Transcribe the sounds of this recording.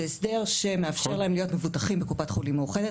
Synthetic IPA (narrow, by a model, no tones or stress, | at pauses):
sd̪e̞ʁʃe̞meafʃe̞ʁlae̞mlijo̞tme̞vutaχimbekupatχulimːauχed̪e